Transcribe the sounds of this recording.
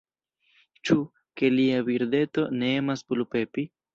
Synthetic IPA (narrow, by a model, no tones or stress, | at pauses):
t͡ʃu | ke̞liaviɾde̞to̞ne̞emasplupe̞pi